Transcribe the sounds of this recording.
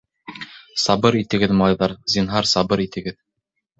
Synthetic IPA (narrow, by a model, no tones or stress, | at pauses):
sɑbɤɾit̪ɘ̆ɡɘðmɑlˠɑjðɑɾzinɦɑɾsɑbɤɾit̪ɘ̆ɡɘð